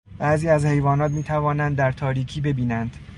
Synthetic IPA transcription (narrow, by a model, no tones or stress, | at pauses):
b̥æʔziːæzhe̞jvɒːnɒːt̪miːt̪ʰævɒːnænd̪ːæɾt̪ʰɒːɾiːcʰiːbe̞biːnænd̪̥